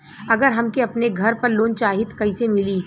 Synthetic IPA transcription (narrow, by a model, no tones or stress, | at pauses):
ɐɡəɾɦɐmkeɐpneɡʱɐɾpɐɾloːnt͡ʃaːɦɪt̪kɐisemɪliː